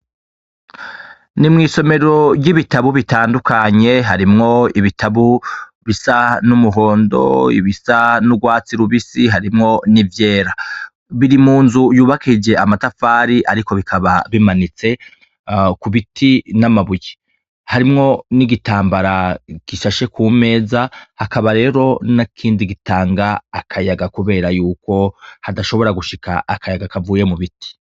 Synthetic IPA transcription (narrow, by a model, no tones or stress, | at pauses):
nimŋiːso̞me̞ɾo̞bɟiβitaβuβitaːndukaɲe̞ɦaɾimŋo̞iβitʰaβu | βisanumuɦo̞ːndo̞̰ḭβisanuɡwaːt͡siɾuβisiɦaɾimŋo̞nivje̞ːɾa | βiɾimuːnzujuːβakʰid͡ʒe̞amatafaːɾiʔaɾiko̞βikʰaβaβimanit͡se̞ | kuβitinamaβuje̥ | haɾimŋo̞niɡitaːmbaɾaɡ̥iʃaʃe̞kʰuːme̞ːzahakaβaɾe̞ːɾo̞nakʰiːndiɡitʰaːŋɡaːkʰajaɡakuβe̞ːɾajuːko̞hadaʃo̞βo̞ɾaɡuʃikʰa̰ʔːkʰajaɡakavuːje̞muβiti̥